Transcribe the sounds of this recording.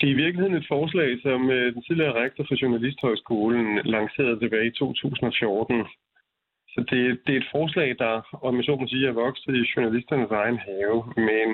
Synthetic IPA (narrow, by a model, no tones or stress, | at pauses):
d̥eɐiʋiɐɡ̥lihe̝ð̞̰ˠned̥fɒːs̬lɛ̰ɪsɒ̽md̥ent͡sʰiðˠliɐʁaɡ̥̚d̥ɐfɒ̽ɕonælisd̥hɒ̽ɪsɡ̥o̝̰ːln̩lɑ̈ŋse̝̰ːɐð̞̩ˠt͡sʰe̝b̥ɛːɪit͡sʰo̝̰ːt͡sʰṵːsn̩ɒ̽fjo̝ːd̥n̩ | sɒ̽d̥e̝d̥e̝e̝d̥fɒːs̬lɛ̰ɪd̥ɑ̈ɒemiɕo̝̰ːnmɒs̬iːɐjɑʋɒ̽ɡ̥s̩ˠiɕonælisd̥ɐnəsɑ̈ɪnɦɛːʊmen